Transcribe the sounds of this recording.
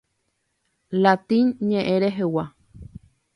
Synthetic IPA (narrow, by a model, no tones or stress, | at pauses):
lat̪inɲẽʔẽɾeɦewa